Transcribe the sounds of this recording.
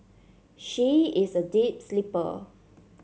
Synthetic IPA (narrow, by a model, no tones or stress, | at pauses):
ʃiɪsədip̚slipə̰